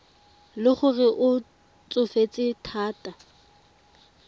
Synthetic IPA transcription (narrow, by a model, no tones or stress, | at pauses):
lɪχʊrɪʔʊ | t͡sʼʊfet͡sʼɪtʰaːtʼa